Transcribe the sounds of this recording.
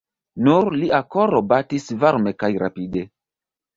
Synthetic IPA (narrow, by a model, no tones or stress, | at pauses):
nuɾliakoɾobatisvaɾme̞kajɾa̰pide